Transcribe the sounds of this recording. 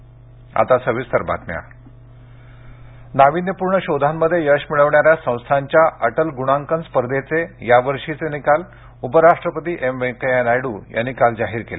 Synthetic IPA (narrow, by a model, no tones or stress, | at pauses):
a̰t̪asəʋist̪əɾba̰t̪mja̰ | naʋinjəpuɾɳəɕod̪ʱamːəd̪ʱːjejəɕmiɭəʋɳjaɾjasə̃w̃st̪ʰaɲt͡ɕjaʔəʈəlɡuɽ̃ãŋkənspəɾd̪et͡sejaʋəɾʂit͡senikal | upəɾaʂʈɾəpət̪iːʔemekeenajɽuːjʔa̰nːikald͡zaɦiːɾkele